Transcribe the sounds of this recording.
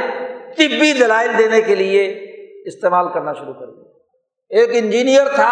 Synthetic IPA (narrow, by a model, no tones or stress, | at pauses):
t̪ipid̪ɐlaːɪld̪eːnekelieɪst̪eːmaːlkɐɾnaʃʊɾukɐɾi | eːkɪ̃nd͡ʒiːnijəɾt̪ʰa